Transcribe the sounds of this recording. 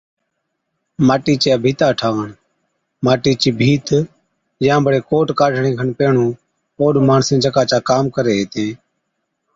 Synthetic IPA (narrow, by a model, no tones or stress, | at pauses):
maːʈiːt͡ʃjaːbʱiːt̪aːʈʰaːʋəɳ | maːʈiːt͡ʃiːbʱiːt̪ | jãːbəɽeːkoːʈkaːɖʱɳẽːkʰənpeːɳ̤ũː | oːɗmaːɳsẽːd͡ʒəkaːt͡ʃaːkaːmkəɾeːɦeːt̪ẽː